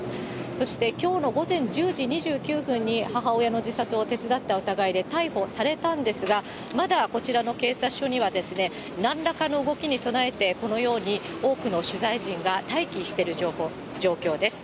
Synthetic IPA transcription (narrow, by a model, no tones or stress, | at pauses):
so̞ɕi̥t̪e̞kʲo̞ːno̞ɡo̞zẽ̞ɲ̟d͡ʑɨːʑiɲ̟iʑɨːkʲɨːɸɯ̟̃ɲ̟ːihaɦao̞jano̞d͡ʑisat͡sɨo̞t̪e̞t͡sɨd̪at̪ːao̟t̪aɡaid̪e̞t̪aiɸo̞saɾe̞t̪ãnd̪e̞sɨɡa | mad̪ako̞t͡ɕiɾano̞ke̞ːsaɕo̞ɲ̟iβ̞ad̪e̞sɨne̞ | nãnɾakano̞ɯ̟ɡo̞kʲiɲ̟iso̞nae̞t̪e̞ko̞no̞jo̞ːɲ̟i | o̞ːkɯ̟no̞ɕɨzaiʑĩŋɡat̪aikʲiɕi̥t̪e̞ɾɯ̟ʑohoː | d͡ʑo̞ːkʲo̞ːd̪e̞sɨ̥